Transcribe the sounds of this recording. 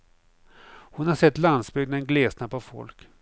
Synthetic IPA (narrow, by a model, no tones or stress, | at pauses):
hʊnhaɾʂɛt̪ːland̪sbʏɡnaɛnɡleːsnapɔvfɔ̰lk